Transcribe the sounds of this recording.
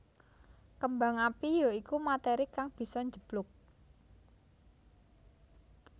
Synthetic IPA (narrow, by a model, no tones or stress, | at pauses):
kəmbaŋapijoikumat̪eɾikaŋb̥i̤sɔɲd͡ʒə̤b̥lʊk̚